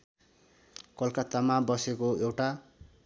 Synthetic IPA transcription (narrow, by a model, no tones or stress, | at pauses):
kʌlkat̪amabʌsekoewʈa